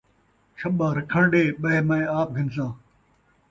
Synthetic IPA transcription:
ʃɐɓãːɾɐkʰəɳɖeːɓɐemãːẽːaːp̚ɡʱɪns̬ãː

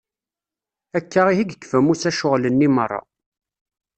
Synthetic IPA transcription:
ækːaʁihiɡəkːfæmusæʃʊʁlənːimərˤːɑ̰

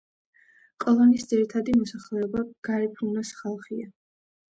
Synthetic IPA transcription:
kʼɔlˠɔnisd̪ziɾit̪ʰad̪imɔsaχlɛɔbaɡ̥aɾipʰunasχalˠχia

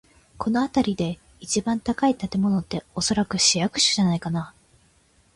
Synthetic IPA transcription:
kʰo̞no̞at̪aɾʲid̪e̞ | it͡ɕibãnt̪akait̪at̪e̞mo̞no̞t̪ːe̞o̞so̞ɾakɯ̟ɕijakɯ̟̥ɕɨ̥ʑanaikana

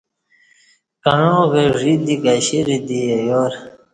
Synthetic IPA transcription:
kaɻõɣeʐid̪ikaɕiɾid̪iajoːɾ

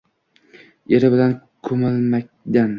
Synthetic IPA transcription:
eɾɪbɪlankʰɵmɪlˠmak̚ʲ | d̪an

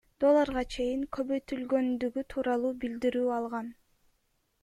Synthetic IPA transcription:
d̪̥o̞lˠːɑɾʁɑt͡ʃʰe̞jiŋkʰø̞βø̞jt̪ylɡø̞nd̪yɡyt̪ʰuːɾɑlˠuːbild̪iɾyːɑlˠʁɑn

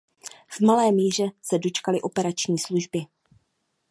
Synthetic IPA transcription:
vmalɛːmjiːr̝ɛsɛdo̞t͡ʃkalɪʔo̞pɛɾat͡ʃɲiːsluʒbɪ

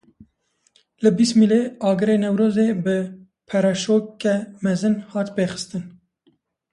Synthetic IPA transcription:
lɨbist̪mileːɑːɡɨɾeːnɛwɾoːzeːbɨ | pʰɛɾɛʃoːkɛmɛzɨnhɑːt̪beːxɨ̥st̪ɨn

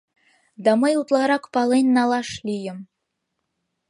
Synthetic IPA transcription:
d̪ɑməjut̪lˠɑɾɑkpɑlenʲːɑlˠɑʃlʲijə̆m

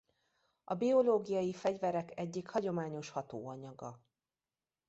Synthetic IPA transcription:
ɒbio̞loːɡijɒjifɛɟvɛɾɛkɛɟːikhɒɟo̞maːɲo̞ʃhɒt̪o̰ːɒɲɒɡɒ

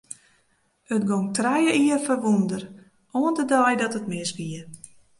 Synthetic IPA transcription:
ətɡoŋtrɛjəʔiərfərʋundər | oəndədɔjdɔtətmɪsʋiə

